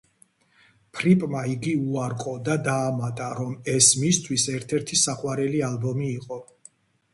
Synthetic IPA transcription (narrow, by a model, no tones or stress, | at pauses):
pʰɾipʼmaiɡiuaɾqʼɔd̪ad̪aːmat̪ʼaɾɔmɛsmist̪ʰwisɛɾt̪ʰɛɾt̪ʰisaχʼwaɾɛlialˠbɔmiːqʼɔ